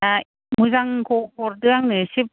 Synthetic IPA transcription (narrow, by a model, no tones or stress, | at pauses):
a | mɯzaŋkʰopʰɔɾdɯaŋnɯsip̚